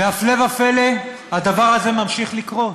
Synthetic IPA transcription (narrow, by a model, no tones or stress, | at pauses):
veafle̞vafele | had̪avaʁaze̞mamʃiχlikʁo̞